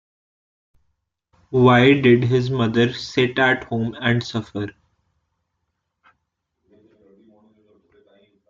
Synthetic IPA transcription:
ʋaɪɖɪɖɦɪzmʌd̪əɾsɪʈæʈhõːmæ̃ɳɖsʌfəɾ

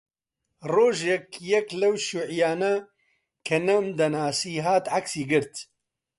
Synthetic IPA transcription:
roːʒɛkjɛklɐwʃuʕjaːnɐ | kʰɐnɐmd̪ɐnaːsiːɦaːt̪ʕaksiːɡɨɾt̪

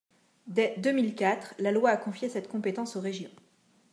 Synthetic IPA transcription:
d̪ɛd̪əmilkʲat̪χlalwaːkɔ̃fjesɛt̪kɔ̃pet̪ɑ̃soʁeʒjɔ̃

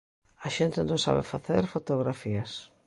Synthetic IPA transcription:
aʃent̪ɪnõŋsa̰βḛfaθeɾfot̪oɣɾafiɐs

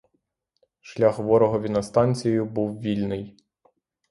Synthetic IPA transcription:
ʃlʲaxʋɔɾɔɦɔʋʲinɐst̪ɑnʲt͡sʲijjʊbuwʋʲilʲnɪj

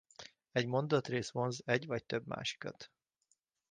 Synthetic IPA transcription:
ɛɟmo̞nd̪ɒt̪reːsʋo̞nzɛɟvɒc̚t̪øbma̰ːʃi̥kɒ̰t̪

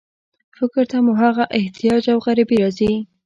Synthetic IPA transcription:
fɪkɾt̪amuɦaɣaʔɪht̪ijɑd͡ʒawɣaɾabiɾɑzi

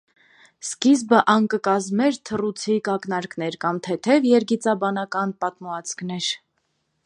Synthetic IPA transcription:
skizbəʔɑŋkəkɑzmɛɾt̪ʰərut͡sʰikɑknɑɾkn̪ɛɾkɑmt̪ʰɛt̪ʰɛvjɛɾɡit͡sɑbɑnɑkɑnpɑt̪muɑt͡sʰknɛɾ

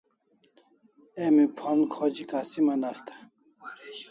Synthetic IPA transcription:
emipʰɔnkʰɔd͡ʑikasimanast̪ʰḁ

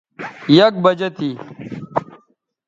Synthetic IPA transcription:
jɐk̚bɐd͡ʑɐt̪ʰi

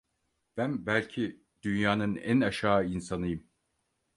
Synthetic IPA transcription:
b̥ænbælʲcʰi | d̪̥ynjaːnɯnænaʃaːinsanɯjɯm

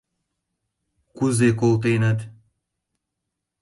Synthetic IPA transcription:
kuzekolˠt̪̬enət̪

